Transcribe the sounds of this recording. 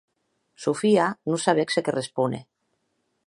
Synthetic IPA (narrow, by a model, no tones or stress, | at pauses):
sufianusaβeksekerespunḛ